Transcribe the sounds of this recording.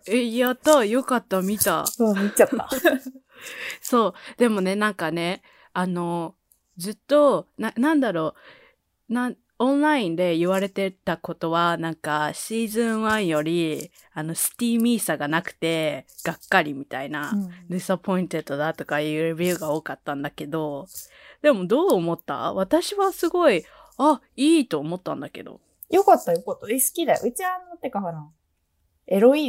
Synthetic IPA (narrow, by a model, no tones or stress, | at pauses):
eijat̪ojo̞kat̪ːamʲit̪a̰miat̪ːa | so̞ːd̪̥e̞mo̞ne̞nãŋkane̞ | ano̞ | zɨt̪ːo̞nãnãnd̪aɾo̞ː | nã | õ̞nɾaĩnd̪e̞iβaɾe̞t̪e̞t̪ako̞t̪o̞βanãŋkaɕiːzɨ̃ɰ̃βãɰ̃jo̞ɾʲi | ano̞sɨ̥t̪ʲiːmʲiːsaɡanakɯ̟̥t̪e̞ɡ̥akːaɾʲimʲit̪ainad̪esapo̞ĩnt̪e̞t̪ːo̞d̪at̪o̞kajɯ̟ːɾebʲiɯ̟ːɡao̞ːkat̪ːãnd̪ake̞d̪o̞ | d̪e̞mo̞d̪o̞ːmo̞t̪ːa̰βat̪aɕiβasɨɡo̞i | a | iːt̪o̞ːmo̞t̪ːã̰nd̪ake̞̰d̪o̞̰ | jo̞kat̪ːajokat̪ːaisɨ̥kʲid̪ajo̰ʔɯ̟t͡ɕianːot̪ːekakaɾã | eɾoiː